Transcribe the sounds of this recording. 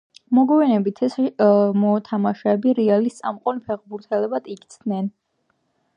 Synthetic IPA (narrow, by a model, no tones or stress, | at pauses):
mɔɡɔɛnɛbit̪ʰɛsmɔt̪ʰamaʃɛːbiɾɛalist̪sʼa̰mqʼɔnipʰɛʁbuɾt̪ʰɛlɛbat̪iɡit̪sʰd̪nɛn